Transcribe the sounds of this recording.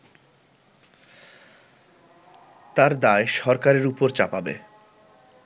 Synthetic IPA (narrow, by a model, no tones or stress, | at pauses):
t̪aɾd̪aeʃɔɾkaɾeɾupoɾt͡ɕapabḛ